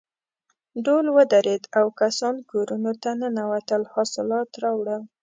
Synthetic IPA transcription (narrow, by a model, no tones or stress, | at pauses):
ɖolwəd̪aɾed̪awkasɑnkoɾunot̪anənawat̪əlhɑsɪlɑt̪ɾɑwɽə